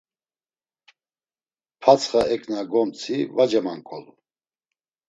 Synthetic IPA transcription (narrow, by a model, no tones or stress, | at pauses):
pʰat͡sʰχaɛkʰʼnaɡɔmt͡sʼʰivad͡ʒɛmaŋkʼɔlu